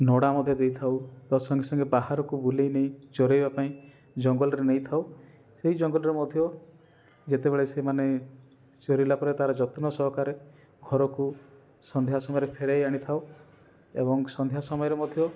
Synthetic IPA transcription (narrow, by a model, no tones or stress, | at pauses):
nɔɽamɔd̪ʱjɔd̪ejt̪ʰawp̪ɔsɔŋɡʰesɔŋɡebahaɾɔkubulejneĩd͡ʒɔɾejbapaĩ | d͡ʒɔŋɡɔlɔɾenejt̪ʰaw | seɦid͡ʒɔŋɡɔlɔɾemɔd̪ʱjɔ | d͡ʒet̪ebeɭesemane | t͡ʃɔɾilapɔɾet̪aɾɔd͡ʒɔt̪nɔsɔɦɔkaɾe | ɡʱɔɾɔku | sɔnd̪ʱjasɔmɔjɔɾepʰeɾejaɽ̃it̪ʰaw | ḛbɔŋsɔnd̪ʱjasɔmɔjɔɾemɔd̪ʱjɔ